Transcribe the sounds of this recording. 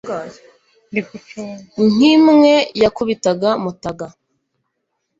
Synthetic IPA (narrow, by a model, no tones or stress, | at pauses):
ŋimŋe̞jakuβitaɡamutaɡa